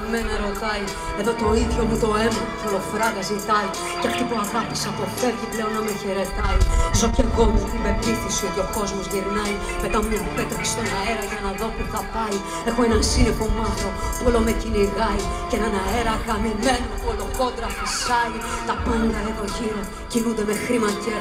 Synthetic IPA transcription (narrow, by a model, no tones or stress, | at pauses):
menɐɾo̞t̪ɐi | e̞ðo̞t̪o̞iðjomut̪o̞e̞mɐt̪ofolo̞fɾɐɣɐzit̪ɐi | ceɐft̪ipuɐɣɐpi̥sɐpo̞θeɾʝiple̞o̞nːɐmeçeɾe̞t̪ɐizoceɡo̞mut̪ime̞piθosiot̪jo̞ko̞zmozʝiɾnɐj | me̞t̪ɐmuepet̪ɾekse̥st̪o̞nɐe̞ɾɐʝɐnɐðo̞t̪iθɐpɐi | exoenɐnsinekomɐθopolomeciniɣɐicenɐnɐe̞ɾɐkɐmimenupoloko̞d̪ɾɐfisɐlit̪ɐpɐnɡ̪ɐðet̪o̞ʝiɾo | cinund̪e̞mexɾimɐce